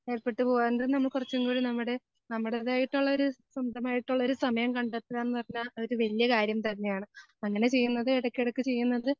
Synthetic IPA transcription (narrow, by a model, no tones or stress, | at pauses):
e̞ːɻpeʈːɨpo̞ːɣaːndðnɐmːɐɭkurɐt͡ɕːumboːɻunɐmːuɽe̞ | nɐmːuɽeðaːjiʈːuɭːɐo̞ɾusɐmd̪ɐmaːjiʈːuɭːɐoɾusɐmɐjɐmkɐɳɖɐt̪ːɐðaːenːɨpɐrɐɲːaoɾuʋɐlijɐkaːɾjɐmt̪ɐnːe̞jaːɳɨ | ɐŋːɐne̞t͡ɕe̞jːunːɐðɨeɽɐkːeɽukːɨt͡ɕe̞jːunːɐðɨ